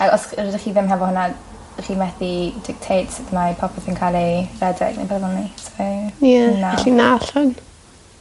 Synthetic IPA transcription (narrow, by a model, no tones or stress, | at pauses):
akɔsɾɔdiχiːðɪmɦɛvɔhʊna | χiːmɛθidɪk̚tʰejtsɪθnajpʰɔpʰɛθinkʰalˠirɛdɪ̰ɡnḛbadvɔnisɔjaaɛɬinaɬʊn